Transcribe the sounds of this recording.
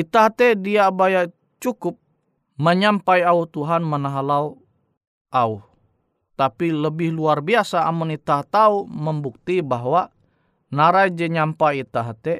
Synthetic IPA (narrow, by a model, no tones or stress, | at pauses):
it̪aɦt̪ɛdiabaja | t͡ʃukʊp̚ | məɲampaiauht̪uɦanmənaɦalau | ʔauh | t̪apiləbɪhluarbiasa̰ːmunit̪at̪auməmbuk̚t̪ibaɦwa | naɾajd͡ʒɛɲampajit̪aɦt̪ɛ